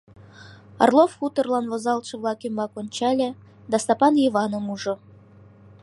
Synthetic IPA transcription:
ɑ̰rlˠofxut̪ə̆rlˠɑnvozɑlˠʃɤ̆vlˠɑkymbɑkonʲt͡ɕɑlʲe | d̪ɑst̪ɑpɑnivɑnomuʒŏ

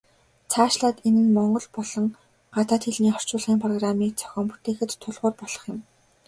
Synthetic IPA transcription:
t͡sʰaːʃɮaːt̪enɘ̆nmɔɴɢɞ̆ɮpɔɮɞ̆ŋ | ɢat̪aːt̪xeɮniːχɔr̥t͡ɕʊːɮʁiːŋpʰrɔɣramiːk̚t͡sʰœ̥xʲɔːmput̪ʰeːxɘ̆t̪ʰːʊɮʁʊːrpɔɮ̥ɞ̆χjɪ̆m

